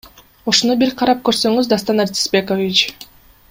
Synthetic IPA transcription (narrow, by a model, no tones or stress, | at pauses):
oʃonubiɾqʰɑɾɑp̚køɾsø̞ŋyzd̪ɑst̪ɑnɑɾt̪ʲi̥sbʲe̞kovʲit͡ʃ